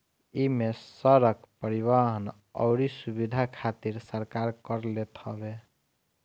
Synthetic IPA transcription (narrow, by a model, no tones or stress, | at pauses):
imesəɾəkpəɾiβaɦən | ɔ̰ʊɾisubid̪ʱakʰat̪iɾsəɾkaɾkəɾlet̪ɦəbe